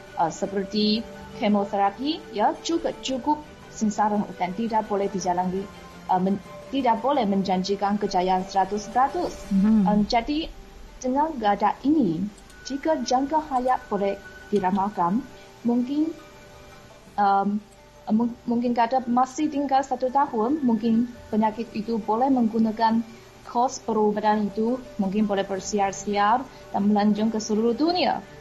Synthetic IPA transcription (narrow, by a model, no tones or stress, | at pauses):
ʔəsəpərt̪i | kemot̪əɾapijad͡ʒuɡad͡ʒukʊp̚ | sənsaɾaŋ̰dant̪idak̚bolɛhdid͡ʒalanli | ʔəmə | t̪idak̚bolɛhmə̃ɲd͡ʒaɲd͡ʒikankəd͡ʒajansəɾat̪ʊspəɾat̪ʊsəmd͡ʒadi | dəŋanɡadaʔini | d͡ʒikad͡ʒaŋkahajaʔb̥olɛhd̥iɾamakan | muŋkɪn | ʔəm | muŋk̬ɪnkadamasɪht̪iŋɡalsat̪ut̪ahʊnmuŋkɪnpəɲakɪt̪it̪ubolɛhmə̃ŋɡunakan | kʰɔspəɾobadanit̪umuŋk̬ɪnbolɛhbərsiarsiar | d̥anməlaɲd͡ʒʊŋkəsəɾuɾud̪unia̰